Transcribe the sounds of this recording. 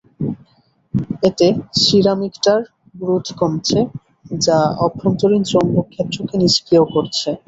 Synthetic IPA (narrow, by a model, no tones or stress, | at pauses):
et̪eʃiɾamikʈaɾ | bɾut̪ʰkɔmt͡ɕʰe | d͡ʑaɔbɾont̪oɾint͡ɕɔmbokʰːɛt̪ːɾokeniʃkiokoɾt͡ɕʰe